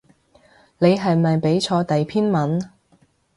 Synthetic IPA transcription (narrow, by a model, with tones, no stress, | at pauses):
ne˨˧jɦɐ˨jmɐ˨jpe˨˥jt͡ʃʰɔː˧t̪ɐ˨jpʰiː˥nmɐ˨˥n